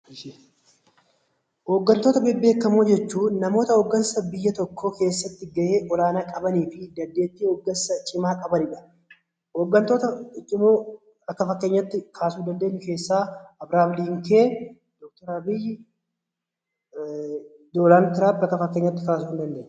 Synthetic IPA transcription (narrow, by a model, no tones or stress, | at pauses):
hoːɡːɐnt̪o̞ːt̪ɐbeːbːe̞ːkːɐmuːd͡ʒɛt͡ʃːuːnɐmo̞ːt̪ɐhoːɡːɐnsɐbɪjːɐt̪ɔkʰːoːke̞ːsːɐt̪ːɪɡɐʔeːʔɔlaːnaːkʼɐbɐniːfɪd̪ɐnd̪e̞ːt̪ːiːhoːɡːɐnsɐt͡ʃʼɪmaːkʼɐbɐnɪᶑɐ̥ | hoːɡːɐnt̪o̞ːt̪ɐɪt͡ʃʼːɪmoː | ɐkːɐfɐkːe̞ːɲːɐt̪ːɪkʰaːsuːd̪ɐnd̪eːɲːʊke̞ːsːaːɐbɾaːmliːŋkeː | d̪ɔk̚t̪ɔɾɐbɪj | d̪olant̪ɪɾabɐkːɐfɐkːeːɲːɐt̪ːɪkaːsuːnd̪ɐnd̪eːɲːʊ